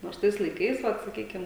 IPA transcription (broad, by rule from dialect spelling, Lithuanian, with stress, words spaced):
ˈnoːrs ˈtɐɪs lˠɐɪˈkɐɪs ˈʋɐt sɐˈkʲiːkʲɪm